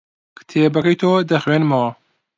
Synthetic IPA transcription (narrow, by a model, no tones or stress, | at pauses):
kt̪ʰebɐkɐjt̪ʰoːd̪ɐxwenmɐwɐ